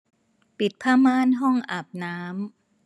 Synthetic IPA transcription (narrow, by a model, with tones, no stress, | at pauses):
pi˨˩t̪̚pʰaː˥˩maː˥˩nɦɔ˥˩ŋʔaː˨˩p̚naː˦˥m